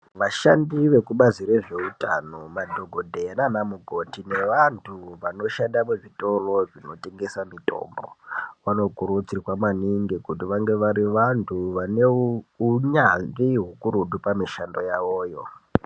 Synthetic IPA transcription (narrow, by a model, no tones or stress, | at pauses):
ʋaʃandiʋe̞kuɓazire̞ʐe̞utanomadʱo̞ɡʱodʱeananamuɡʱo̞tine̞ʋantʰuʋano̞ʃandameʐito̞ro̞ʐino̞te̞ŋɡe̞samitʼo̞̰mbo̰ʋano̞kuɾut͡sirwamwaniŋɡikutiʋaŋɡe̞ʋaɾiʋantʰuʋaneuɲandiɦukuɾuɗupamiʃando̞jaʋoːjo̞